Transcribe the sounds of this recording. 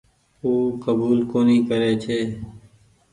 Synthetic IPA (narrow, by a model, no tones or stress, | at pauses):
uːkəbuːlkoːnĩːkəɾeːt͡ʃʰeː